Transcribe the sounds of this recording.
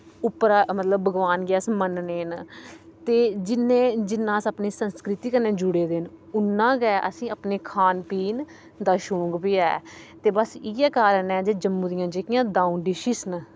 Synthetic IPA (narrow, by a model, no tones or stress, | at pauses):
ʊpːɾaːmət̪ləbːəɡʋaːnɡɪaːsmənneːnt̪eːd͡ʒɪnẽːd͡ʒɪnːãːsəpniːsənskɾɪt̪iːkəɾnẽːd͡ʒʊɽeːd̪enʊnːãːɡɛːʔə̰sĩːəpneːkʰaːnpiːn | d̪aːʃõːŋɡbiːɛːt̪eːbəsiːɛːkaːɾənɛːd͡ʒeːd͡ʒəmːũːd̪ɪjãːd͡ʒeːkɪjãːd̪ãːũnɖɪʃiːsn